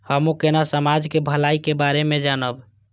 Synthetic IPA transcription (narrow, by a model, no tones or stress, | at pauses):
həmõkenasəmad͡ʒkebʱəlaikebaɾemed͡ʒaːnəb